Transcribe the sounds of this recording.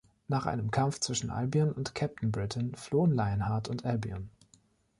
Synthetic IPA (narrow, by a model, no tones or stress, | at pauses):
naːχʔa̰ɪnəmkʰamft͡sv̥ɪʃn̩ʔa̰lbiɔnʊntkʰɛp̚tn̩bʁɪtʰn̩floːənlaɪənhaɐtʊntʔɛlbiɔn